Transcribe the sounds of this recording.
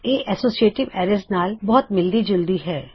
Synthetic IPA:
eːʔɛsoːsieːʈɪʋɛːɾəsnaːlbɔɦʊt̪mɪld̪id͡ʒʊld̪iɦɛː

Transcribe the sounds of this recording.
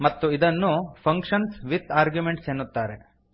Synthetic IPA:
mɐt̪ːuid̪ɐnːupʰɐŋkʂɐnsʋit̪aːɾɡjumeɳʈsenːut̪ːaːɾe

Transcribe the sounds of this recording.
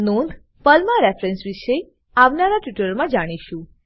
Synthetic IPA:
nund̪ʱ | pəlmãɾefɾɛnsʋiʃe | aʋnaɾaʈuʈəɾmãd͡ʒaɽ̃iʃũ

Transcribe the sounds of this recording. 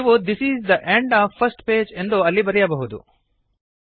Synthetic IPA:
niʋod̪isiːzd̪ɐʔẽɳɖaːʋpʰːɐɾsʈpeːd͡ʒe̞nd̪oɐlːibɐɾɛjɐbɐɦud̪ṵ

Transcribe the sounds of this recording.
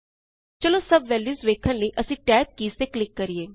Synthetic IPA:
t͡ʃəlosɐbʋɛːlisʋeːkʰənləiʔəsĩːʈɛːp̚kiːst̪eklɪkːəɾieː

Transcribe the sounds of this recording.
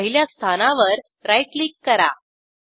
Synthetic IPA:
ɦiljast̪ʰanaʋəɾ | ɾajʈliːkːəɾa̰

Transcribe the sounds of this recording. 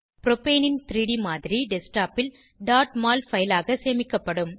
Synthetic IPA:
pɾɔpeːnɪnt̪ɪɾiɽimaːðɪɾiɖɛsʈaːpɪl | ɖaːʈmaːlfɐjɪlaːɣɐseːmɪkːɐpːɐɽɯm

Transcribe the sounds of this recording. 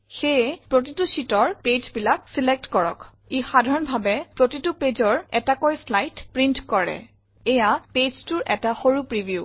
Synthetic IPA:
xepɹotitusitɔɹped͡ʒbilaksilek̚tkɔɹɔ̰k | exadʱaɹɔnbʱabɛpɹotituped͡ʑɔɹɛtakojslajtpɹintkɔɹɛ̰ | ɛjaped͡ʒtʊɹʔɛtaxoɹupɹibiju

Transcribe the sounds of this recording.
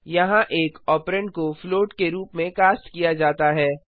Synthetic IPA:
jɐɦãʔeːkɔːpɾə̃ɳɖ̚kofloːʈkeɾuːpmẽkaːst̪kijad͡ʒaːt̪aɦɛː

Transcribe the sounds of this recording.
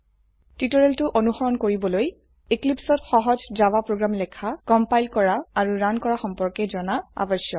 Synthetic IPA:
titɔɹɛltʊʔonuxɔɹɔnkoɹibɔloj | eklipsɔtxɔɦɔzzawapɹoɡɹamlɛkʰakɔmpajlkɔɹaːɹuɹankɔɹaxɔmpɔɹkɛzɔnaa̰bɔsjɔ

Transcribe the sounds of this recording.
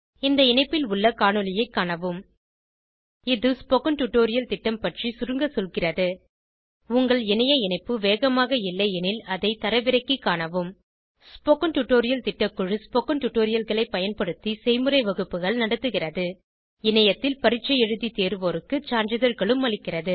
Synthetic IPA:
ɪnd̪ɐɪnɐɪpːɪlʊɭːɐkaːɳɯlɪjɐɪkːaːɳɐʋɯm | ɪðɯspokɐnʈʊʈːoːɾɪjɐlt̪ɪʈːɐmpɐʈrisʊɾɯŋɡɐsɔlɣɪrɐðɯ | ʊŋɡɐɭɛnɐjɐɪnɐɪpːɯʋeːɣɐmaːɣɐɪlːɐɛnɪlɐðɐɪt̪ɐɾɐʋɪɾɐɪkːikːaːɳɐʋɯm | spoːkɐnʈʊʈːoːɾɪjɐlt̪ɪʈːɐkːɯɻɯspoːkɐnʈʊʈːoːɾɪjɐlɣɐɭɐɪpːɐjɐnpɐɽɯt̪ːisɛɪmɯrɐɪʋɐɣɯpːɯɣɐɭnɐɽɐt̪ːɯɣɪrɐðɯ | ɪnɐjɐt̪ːɪlpɐɾɪʈt͡ʃːɐjɛɻɯðit̪eːɾɯʋoːɾɯkːɯt͡ʃaːnd͡ʒɐðɐɾɣɐɭɯmːɐɭɪkːɪrɐðɯ

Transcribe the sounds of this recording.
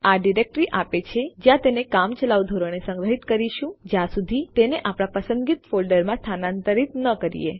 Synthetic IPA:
aɖiɾek̚ʈɾiʔapet͡ʃʰed͡ʒjãt̪enekamt͡ʃəlaʋd̪ʱoɾəñesə̃ŋɡɾəɦit̪kəɾiʃũd͡ʒjãsud̪ʱit̪eneʔapɽ̃ãpəsənd̪ɡit̪folɖəɾmãst̪ʰanãnt̪əɾit̪nəkəɾḭjḛ

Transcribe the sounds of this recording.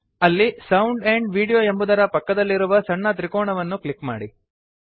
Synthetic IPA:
ɐlːisɐwɳɖeɳɖʋiːɽijoːembud̪ɐɾɐpɐkːɐd̪ɐlːiɾuʋɐsɐɳːɐt̪ɾikoːɳɐʋɐnːuklikma̰ːɽi

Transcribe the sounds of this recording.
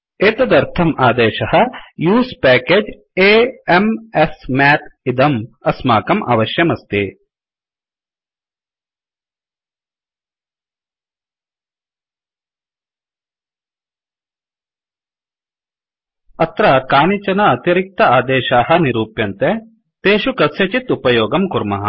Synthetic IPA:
eːt̪ɐd̪ɐɾt̪ʰɐmaːd̪eːʃɐɦɐ̆juːspæːkeːd͡ʒ | eːemesmaːt̪id̪ɐmɐsmaːkɐmʔa̰ːʋɐʃjɐmɐst̪i | ɐt̪ɾɐkaːnit͡ʃɐnɐɐt̪iɾik̚t̪ɐaːd̪eːʃaːɦɐ̆niɾuːpjɐnt̪e | t̪eːʃukɐsjɐt͡ʃit̪upɐjoːɡɐmkuɾmɐ̰ɦɐ̰

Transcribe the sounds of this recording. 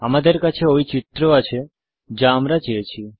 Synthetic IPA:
amad̪əɾkat͡ʃʰeoit͡ʃit̪ɾoat͡ʃʰe | d͡ʒãːmɾat͡ʃiet͡ʃʰi

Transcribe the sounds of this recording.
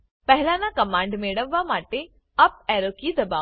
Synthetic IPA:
pɐɦɪlãːnãkɐmãːɳɖmeːɽəʋːamaːʈe | ɐp̚ɛːɾokid̪ɐbaː

